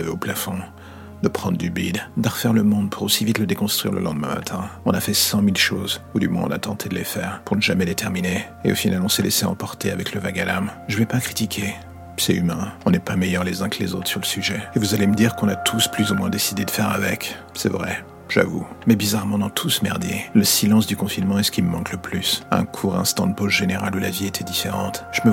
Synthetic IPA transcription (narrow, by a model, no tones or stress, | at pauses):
avɛoplafɔ̃ | d̪əpχɑ̃d̪ʁd̪ybid̪d̪əʁəfɛʁləmɔ̃d̪̚pʰuʁosivit̪ləd̪ekɔ̃st̪χɥiʁlə̰lɑ̃d̪mɛ̰̃ma̰t̪ʰɛ̃ɔ̃nafɛsɑ̃milʃozud̪ymwɛ̰̃ɔ̰̃nat̪ɑ̃t̪ʰed̪əlefɛːʁpuʁnəʒamɛd̪et̪ʰɛʁmine | ḛo̰finalɔ̃sɛlḛsɛɑ̃pɔʁt̪eavɛkləvaɡalamʒəvɛpakχi̥t̪ikʲʰe | sɛymɛ̃ɔ̃nɛpamejœʁlezɛ̃klḛzot̪χsyʁləsyʒɛevuzaleməd̪iʁkɔ̃nat̪ʰusplyzumwɛ̃d̪esid̪ed̪əfɛʁavɛk | sɛ̰vʁɛ | ʒ̥a̰vṵmɛbizaʁmɑ̃d̪ɑ̃t̪ʰusəmɛʁd̪jeləsilɑ̃sd̪ykɔ̃finmɑ̃ɛsə̥kʲiməmɑ̃kləplysɛ̰̃kʰuʁɛ̰̃st̪ɑ̃d̪əpozʒeneʁalulaviet̪ʰɛd̪ifeʁɑ̃t̪ʒ̥əmə